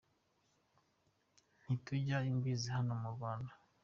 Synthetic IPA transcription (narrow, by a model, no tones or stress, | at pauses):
n̥ituɟaimɡizihanomuɾɡaːna